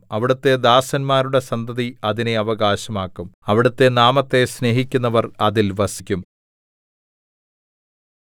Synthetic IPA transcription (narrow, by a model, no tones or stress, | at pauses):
ɐʋiɽɐt̪ːe̞d̪aːsɐnmaːɾuɽe̞sɐnd̪ʱɐðiɐðine̞ɐʋɐɡaːɕɐmaːkːumɐʋiɽɐt̪ːe̞naːmɐt̪ːe̞sne̞ːɦikʲːunːɐʋɐrɐðilʋɐsikʲːum